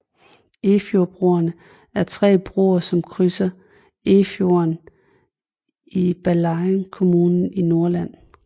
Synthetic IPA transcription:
e̝fjo̝b̥ʁuɐnə | æɐt͡sʰʁɛ̰ːb̥ʁṵːɐsɒ̽mkʰʁysɐ | e̝fjo̝ɐn | ib̥ælɑnkʰo̝muːnn̩ino̝ɐlæn̰

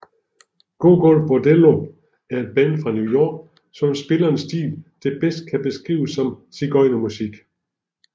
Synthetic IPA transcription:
ɡ̥o̝̰ɡ̥ɔlfb̥od̥elo | æɐe̝d̥̚b̥æn̰fʁɑ̈njuʊjɒ̰ːɡ̥ | sɒ̽msb̥e̝lɐnsd̥ḭːld̥e̝b̥esd̥̚kʰæb̥e̝sɡ̥ʁḭːʊsɒ̽msiɡ̥ɒɪnɐmusiɡ̥

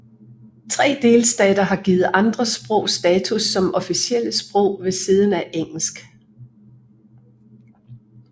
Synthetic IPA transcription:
t͡sʰʁɛ̰ːd̥e̝ːlsd̥ɛ̰ːd̥ɐɦɑ̈ɡ̥iːð̩ˠʔɑ̈nd̥ʁɐsb̥ʁɔ̽ʊ̰sd̥ɛːt͡sʰusːɒ̽mʔɒ̽fisiel̰əsb̥ʁɔʊ̰ʋe̝siːð̞ˠn̩æʔeŋ̰l̩sɡ̥

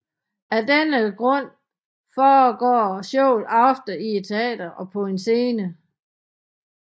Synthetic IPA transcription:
æd̥enəɡ̥ʁɔ̽n̰ | fɒːɡ̥ɒ̰ːɕɔʊ̰lɑ̈fd̥əie̝̥t͡sʰe̝ɛ̰ːd̥ɐʔɒ̽pʰɒ̽e̝nse̝ːnə

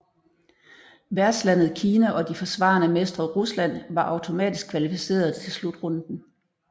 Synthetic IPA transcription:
ʋæɐd̥slæn̰ð̞̩ˠkʰiːnæʔɒ̽d̥ifɒ̽sʋɑ̰̈ːnəmesd̥ʁɐʁuslæn̰ʋɑ̈ʔɑ̈ʊt͡sʰo̝mɛ̰ːd̥isɡ̥kʰʋælifise̝̰ːɐð̞̩ˠt͡sʰe̝lslud̥ʁɔnd̥n̩

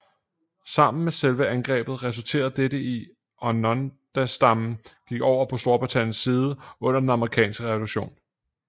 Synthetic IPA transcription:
sɑ̈m̰n̩meselʋəænɡ̥ʁɛ̰ːb̥ð̩ˠʁɛs̬ult͡sʰe̝̰ːɐð̩ˠd̥eɾəi | ʔɒ̽nɒnd̥æsd̥ɑ̈mn̩ɡ̥iɡ̥ɒʊ̰ɐpʰɒ̽sd̥o̝ɐb̥ʁit͡sʰæn̰jn̩siːð̞ˠəɔ̽n̰ɐd̥enɑ̈məʁikʰɛ̰ːnsɡ̥əʁɛʋo̝luɕo̝̰ːn

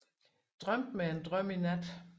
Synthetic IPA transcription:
d̥ʁɶm̰d̥meend̥ʁœm̰inæd̥

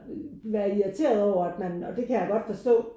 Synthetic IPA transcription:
ʋæɐiæt͡sʰe̝̰ːɐð̞ˠɒʊɐæd̥mænɒ̽d̥e̝kʰæjäɡ̥ɒ̽d̥fɒ̽sd̥ɔ̰̽ː

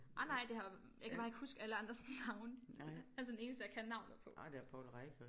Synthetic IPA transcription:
ʔɑnɑ̈ɪ̰d̥e̝hɑ̈ | jɑ̈kʰæbɑ̈ːe̝ɡ̥husɡ̥əæləɑ̈nd̥ʁɐsnɑ̈ʊnælsəd̥ene̝ːnəsd̥əjɑ̈kʰænːɑ̈ʊnð̩ˠpʰɒ̽ʔd̥eæpʰɔ̰ːlʁɑɪkʰə

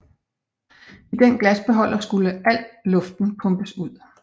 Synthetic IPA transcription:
id̥enɡ̥læsb̥e̝ɦɒ̽l̰ʔɐsɡ̥uləʔæl̰d̥lɔ̽fd̥n̩pʰɔ̽mb̥əsuð̰ˠ

